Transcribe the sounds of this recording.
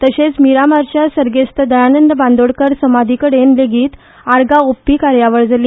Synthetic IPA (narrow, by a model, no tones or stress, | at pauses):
t̪əɕet͡smiɾamaɾt͡ɕjasəɾɡest̪əd̪əjanənd̪əbãnd̪oɽkəɾsəmad̪ʱikəɽenleɡiːt̪ | aɾɡaopːikaɾjaʋəɭd͡zali